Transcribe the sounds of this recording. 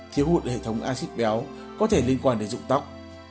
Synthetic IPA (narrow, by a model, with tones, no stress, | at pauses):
t̪ʰi˨˦əwhṵ˧˨˩t̚hḛ˧˨t̪ʰə˨˦wŋ͡mʔaː˧si˦˥t̚ɓɛ˨˦w | kɔ˨˦t̪ʰe˧˩li˧ənkwaː˧nɗe˨˦nzʊ̰˧˨ŋ͡mt̪a˦˥wk͡p̚